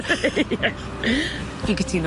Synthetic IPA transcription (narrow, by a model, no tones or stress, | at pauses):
jɛ | iɡətʰin